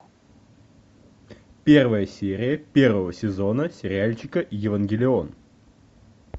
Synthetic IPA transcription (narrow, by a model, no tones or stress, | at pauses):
pʲe̞rvəjəsʲeɾʲɪjəpʲe̞rvəvəsʲɪzonəsʲɪɾʲɪalʲt͡ɕɪkəʔjɪvənɡʲɪlʲɪon